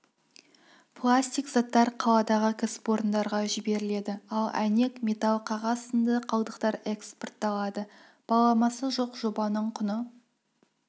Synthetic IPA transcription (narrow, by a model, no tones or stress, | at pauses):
pʰlˠasʲt̪ʲijkz̥ɑt̪ːɑɾqʰɑlˠɑd̪ɑʁəkʲʰasɪ̥po̞ɾənd̪ɑɾʁɑʒɪbe̞ɾɪle̞d̪ɪɑlˠæ̰ne̞kme̞t̪alˠqʰɑʁɑsənd̪əqʰɑlˠd̪əqt̪ɑɾeksport̪ːɑlˠɑd̪ə | b̥ɑlˠɑmɑsəʒo̞qʒo̞bɑnəɴqʰʊnə